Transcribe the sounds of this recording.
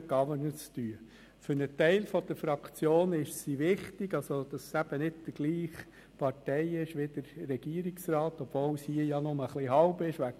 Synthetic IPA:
ɡ̥ɑvəɾnət͡styə | fʏɾnətɛɪlfɔd̥̪əɾfɾɑkt͡sjoːnɪʃsiʋɪχtɪɡ̥ɑsod̥ɑssæb̥ənɪd̚d̥əɡ̥liːχ | pʰɑɾtɛɪɪʃʋɪdəɾːɛɡ̥iːɾiksrɑːtɔb̥voːlshiəjɑnʊməχliɦɑʊbɪʃʋæk

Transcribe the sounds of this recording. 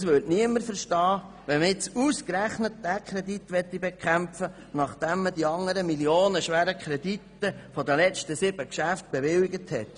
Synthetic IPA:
sʋøtniəmːəɾfəɾʃtɑː | ʋɛməɪt͡suskɾæχnət̚d̥ækʰχɾɛditʋɛt̪ːibɛkʰχæmfə | nɑχd̥ɛmːədiɑŋːəɾəmiljoːnəʃʋæːɾəkχɾɛditːəfɔdəlɛt͡stəsɪb̥əkʃæft̪̚b̥ɛʋɪliɡəthɛt

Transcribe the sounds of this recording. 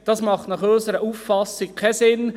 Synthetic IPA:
d̥ɑsmɑχtnɑχøːsəɾəuːfːɑsɪkʰasɪn

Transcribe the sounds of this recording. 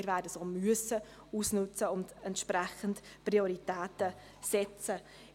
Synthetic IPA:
ɾvæːdəsoːmyəsə | uːsnʉt͡səʊndɛntʃprɛχəntprioɾitɛːtə | sɛt͡sə

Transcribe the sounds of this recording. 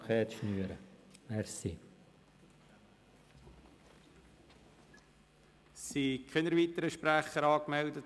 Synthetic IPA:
kχɛːt̪ʃnyəɾəʋɛɾsi | sikʰχɛnəɾʋitəɾəʃpɾæχəɾɑːkmɛldət

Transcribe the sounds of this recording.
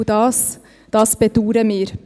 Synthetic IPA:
d̪ɑːs | d̥̪ɑːsbɛd̪uːɾəmyːɾ

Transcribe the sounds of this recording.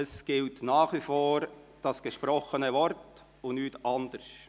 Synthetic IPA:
əsɡ̥ɪltnɑːχʋifoːɾ | d̥ɑsɡ̥əʃpɾɔχənəvɔɾt | ʊnyːtʔɑndəɾʃ

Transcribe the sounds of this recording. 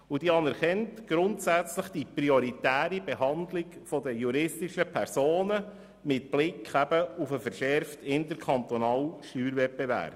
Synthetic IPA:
ud̥iɑnɛɾχɛntɡ̥ɾʊntsæt͡sləχd̥ipɾioɾitæːɾibeɦɑndlɪkfɔdəjuɾɪstiʃəpʰɛɾsoːnə | mɪtb̥lɪkʰχæbəufəfəɾʃɛɾftɪntəɾkʰχɑnt̪ɔnɑːlʃtyːɾvɛpbevæ̰ːɾb

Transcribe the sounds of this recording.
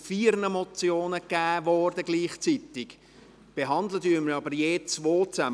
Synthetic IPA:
fiːɾnəmɔt͡sjoːnəkæːʋɔɾdəɡliːχt͡sit̪ɪɡ̥ | b̥eɦɑnd̪lədyːməɾɑbəɾjeːt͡sʋoːt͡sæ

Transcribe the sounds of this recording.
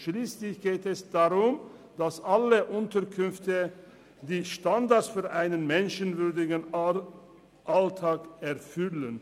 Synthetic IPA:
ʃliːslɪçɡ̥eːtɛsd̥aʁʊm | d̥asʔaləʔʊntɐkʰʏnftə | diːʃtandaɐtsfyːɐʔaɪnənmɛnʃənvʏɐdɪɡn̩ | ʔaltʰaːkɛɐfʏlən

